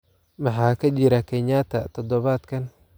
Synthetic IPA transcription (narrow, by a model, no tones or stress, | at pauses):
mɑħɑːkʰɐt͡ʃɪɾɐkʰɛɲaːt̪ʰɐt̪ʰɔd̪ɔβaːd̪kʰɐn